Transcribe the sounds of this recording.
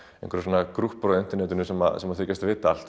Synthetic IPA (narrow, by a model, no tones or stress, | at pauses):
ẽjŋ̥kʰɾasvɔnakɾuhpɾɔʏnt̪ɛɾnɛːt̪ʏnʏsɛma̰sɛmaθɪːcːast̪vɪːt̪al̥t̪